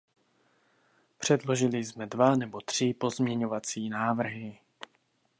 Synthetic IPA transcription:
pr̝̥ɛdlo̞ʒɪlɪzmɛdvanɛbo̞t̪r̝̥ɪpo̞zmɲɛɲo̞vat͡siːnaːvr̩ɦɪ

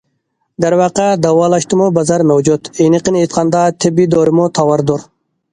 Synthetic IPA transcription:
d̪æɾwɑːqɑd̪ɑwɑːlˠɑʃt̪ɨmubɑzɑɾmɛwd͡ʒut̪ejnɨqənet̪qʰɑnd̪ɑt̪ʰɪbid̪oɾɪmut̪ʰɑwɑɾd̪oɾ

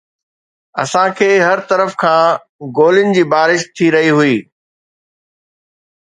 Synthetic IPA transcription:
ɐ̰sãkʰeːɦɐɾt̪ɐɾəfkʰãː | ɡoːlɪnɪ̆d͡ʑiːbaːɾɪʃt̪ʰiɾɐɦiɦuiː

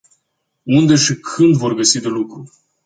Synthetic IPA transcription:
und̪e̞ʃikʰɨnd̪vo̞rɡəsid̪e̞lukɾu

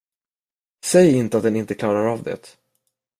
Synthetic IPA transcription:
sɛjɪnt̪əat̪̚d̪ɛnɪnt̪əkʰlɑːɾaɾavd̪ɛ̰t̪

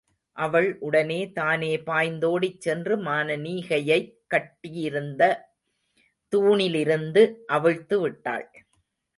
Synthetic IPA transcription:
ʔɐʋɐɭʔʊɽɐneːt̪aːneːpaːjnd̪oːɽɪt͡ʃsɛndrɯmaːnɐniːɣɐjɐɪkːɐʈːɪjɪɾɯnd̪ɐ | t̪uːɳɪlɪɾɯnd̪ɯʔɐʋɐɻt̪ːɯʋɪʈːa̰ːɭ

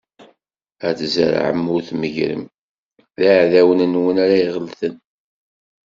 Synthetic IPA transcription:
æθzə̰ɾ̰ʕə̰mːʊɾθməʝɾə̰m | ðaʕðæwənənwənaɾæiʁəlθən

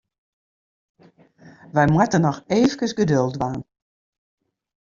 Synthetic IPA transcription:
ʋɛjmwɛtənɔxeːvəkəsɡədølˠtʋaːn

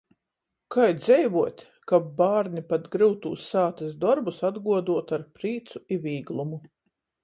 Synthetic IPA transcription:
kʰajd̪zɛjvuɔt̪ʲ | kabaːɾnipat̪ɡɾɨwt̪ṵːsːaːt̪esd̪ɔɾbusad̪ɡuɔd̪uɔt̪aɾpɾiːt̪suivʲiːɡlˠumu

